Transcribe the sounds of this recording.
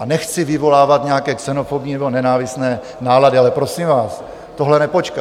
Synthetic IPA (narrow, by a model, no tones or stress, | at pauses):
ʔanɛxt͡sɪvɪvo̞laːvat̪ɲɛakɛːksɛnofobɲinɛbonɛnaːvɪsnɛː | naːladɪalɛpɾosimvaːs | t̪o̞ɦlɛnɛpo̞t͡ʃka